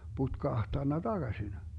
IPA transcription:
putkɑhtɑnːɑ d̥ɑɡ̊ɑsin

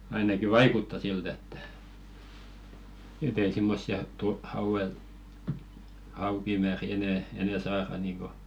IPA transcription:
ɑinɑki ʋɑikutːɑ silt etːæ̥ et ei simːosːiɑ tu hɑuw̆el hɑukimæːri enɛ enɛ sɑːrɑ niːŋko

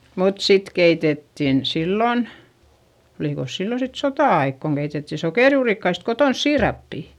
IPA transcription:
mut sit keitetːin silːon oliˑkos silːon sit sotɑˑɑik koŋ ɡ̊eitetːi sokeˑrjuːrikːɑist kotons siːrɑpːi

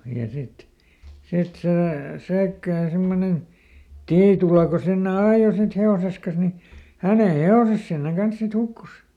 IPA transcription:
jɑ sit sit seˑ sæikːæːn simːonen tiːtulɑ ko sinːe ɑːjo sit heoses kɑs ni hæˑne heoses sinːeŋ kɑns sit hukːus

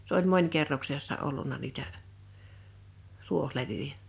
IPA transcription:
s olʲ monʲkerːoksesːɑ olːunˑɑ niːtæ tuohleʋyjæ

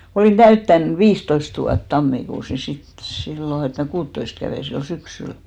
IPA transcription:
oliˑn tæytːæn ʋiːstoist ʋuɑt tɑmːikuːs ni sit silːo et mæ kuːtːoist kæʋeˑ silːo syksyl

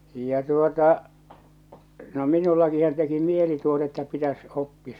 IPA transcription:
jɑ tuotɑ no minulːɑkihɑn teki mieli tuotɑ etːæ pitæs opːi

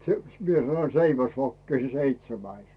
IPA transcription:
se mie sɑno seiʋæsʋokːi se seitsemæis

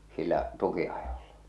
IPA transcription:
silːæʔ tukiɑjol̥ːɑ̥

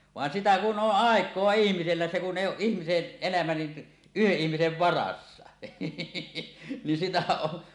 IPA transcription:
ʋɑˑen sitæ kun ʔoʔ ʔɑˑekˑoɑ ihmiselːæ se kuʔ ʔeˑi oːʔ ʔihmisen elæmæ ni yheʔ ʔihmiseʋ ʋɑrɑsːɑ nin sitæ o

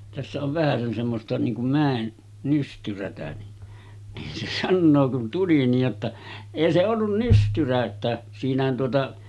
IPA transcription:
tæsːæ oʋ ʋæhæsen semːostɑ niːŋ kum mæˑen nystyrætæ ni nin se sɑnːoː kun tuli niːj jotːɑ eˑi se olːun nystyræ etːæ siːnæhæn tuotɑ

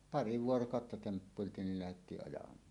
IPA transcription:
pɑri ʋuorokɑˑotːɑ tempːuiltiːn nil læhetːiːʔ ʔɑjɑmˑɑːn

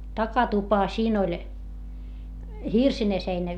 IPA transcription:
tɑkɑtupɑ siːn olʲ hirsine seinæ

